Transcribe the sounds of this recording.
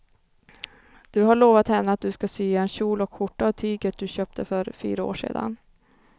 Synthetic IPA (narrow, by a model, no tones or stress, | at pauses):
d̪̥ɵɦaɭoːvat̪hɛnːəat̪̚d̪ɵskasyːaɛnɕuːlɔkɧʊʈːaːt̪ʰyːɡət̪̚d̪ɵɕøːp̚t̪ʰəfœɾfy̰ːɾao̰ːʂḛːd̪a̰n